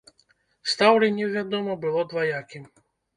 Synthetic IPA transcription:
st̪ɑwɾɛnʲiwʋʲad̪ɔmɔbɪlˠɔd̪ʋɐjakʲɪm

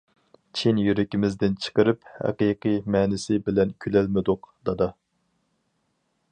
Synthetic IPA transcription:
t͡ʃʰinjyɾɪkʲimɪzd̪ɪnt͡ʃʰə̥qəɾɨphæ̰qiqijmɛːnɪsɪbɪlɛnkʲʰylɛlmɪd̪ʊqd̪̥ɑd̪ɑ

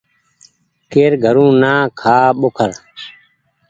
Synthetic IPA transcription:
keːɾɡʱəɾũːnaːkʰaːɓokʰəɾ

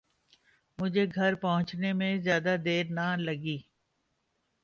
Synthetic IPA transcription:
mʊd͡ʒʱeɡʱɐɾpɐɦʊ̃t͡ʃnemẽzjaːd̪ad̪eːɾnalɐɡiː

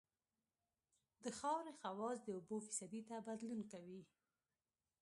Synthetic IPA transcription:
d̪əxɑwɾexawɑzd̪əʊbofi̥sad̪it̪abad̪lunkawi

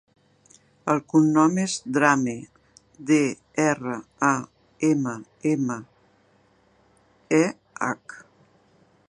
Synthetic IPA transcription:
əlˠkunːɔmezd̪ɾame | d̪e | ɛrəa | emə | emə | ɛ | a̰k

